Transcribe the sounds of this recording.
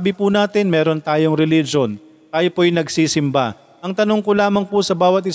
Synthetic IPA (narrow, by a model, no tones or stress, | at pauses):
bɪpunaːt̪ɪnmɛːɾo̞nt̪aːjoŋɾɛlid͡ʒon | t̪aːjopoɐjnɐɡsiːsɪmba | ʔɐŋt̪ɐnoŋkolaːmɐŋpʊsɐbaːwɐt̪̬̚ʔɪ